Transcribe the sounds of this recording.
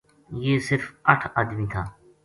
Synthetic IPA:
jeːsɪɾfəʈʰaːd̪miːt̪ʰaː

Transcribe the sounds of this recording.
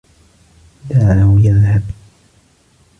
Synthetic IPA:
d̪aːʕahʊjaðhab

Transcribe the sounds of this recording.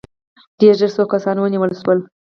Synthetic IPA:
d̪̥eɾʒəɾsokasɑnwəniwəlswəl

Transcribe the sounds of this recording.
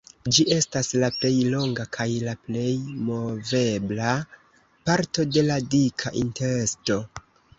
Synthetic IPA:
d͡ʒiʔe̞staslaple̞jlo̞ŋɡakʰajlaple̞jmo̞ve̞bla | paɾto̞de̞ladikʰaʔinte̞ɾe̞sto̞

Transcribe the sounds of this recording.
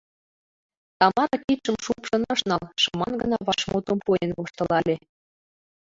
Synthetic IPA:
t̪ɑmɑɾɑkit̪ʃə̆mʃupʃɤ̆nɑʃnɑlʃɤmɑnɡənɑβɑʃmot̪ompujenβoʃt̪ɤ̆lɑlʲe

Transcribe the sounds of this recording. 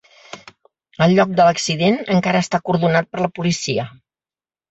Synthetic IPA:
əlˠʎːɔk̚d̪ələksiðenəŋkaɾəːst̪akuɾðunat̪̚pəɾləpulisiə

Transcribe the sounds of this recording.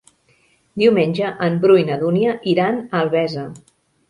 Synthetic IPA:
d̪iwmenʲd͡ʒəʔəmbɾujnəðuniəʔiɾanəlˠβɛzə

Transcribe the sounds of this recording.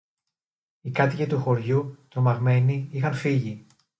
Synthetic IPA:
ikɐt̪icet̪uxo̞ɾʝut̪o̞mɐɣme̞niixɐnfiʝi

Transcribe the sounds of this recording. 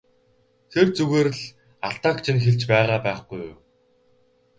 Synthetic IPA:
t̪ʰert͡suɣeːɾɘ̆ɮ | aɬt̪aːkt͡ɕʰɪ̆nxeɮt͡ɕpæːʁaːpæːχɡ̥uj

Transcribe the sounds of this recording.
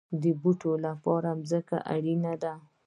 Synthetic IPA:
d̪əbuʈolapɑɾamzəka̰ʔa̰ɽinad̪a

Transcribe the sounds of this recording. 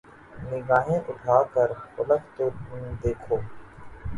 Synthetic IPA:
nɪɡaːɦẽʔʊʈʰaːkəɾʊləkt̪oːʊnd̪eːkʰoː

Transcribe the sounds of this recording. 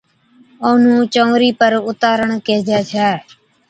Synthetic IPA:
oːnũːt͡ʃõːɾiːpəɾʊt̪aːɾəɳkeːd͡ʒaːt͡ʃʰɛː

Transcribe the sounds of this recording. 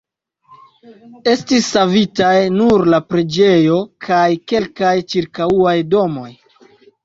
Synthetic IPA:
e̞stisːavitajnuɾlapɾe̞d͡ʒe̞jo̞kʰajke̞lkajt͡ʃiɾkauajdo̞mo̞j

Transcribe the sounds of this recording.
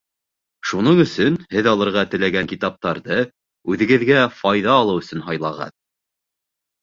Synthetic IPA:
ʃunɤɴɵ̆sɵnhɘðɑlˠɤ̆ɾʁɑt̪ɘ̆læɡæŋkit̪ɑp̚t̪ɑɾðɤ | ʉðɘ̆ɡɘ̆ðɡæfɑjðɑːlˠɤwɵ̆sɵnɦɑjlˠɑʁɑ̰ð

